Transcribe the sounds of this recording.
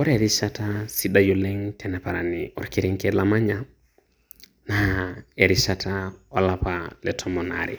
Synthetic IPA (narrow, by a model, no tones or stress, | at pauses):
ɔɾɛɾiʃatasiɗajɔlɛŋtʰɛnɛpaɾaniɔ̰ɾkiɾiŋkɛlamaɲa | naeɾiʃatʰaɔlapalɛtʰɔmɔna̰ɾḭ